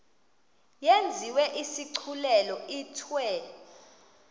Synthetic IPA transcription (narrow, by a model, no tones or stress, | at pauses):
jend͡zʱiwɛʔisiǀʰulɛlɔiːtʰwɛ